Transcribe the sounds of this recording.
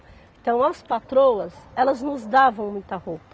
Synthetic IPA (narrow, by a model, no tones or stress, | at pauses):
ẽt̪ɐ̃w̃ɐspat̪ɾowɐzɛlɐznʊzd̪avɐ̃w̃mũj̃t̪ɐhopɐ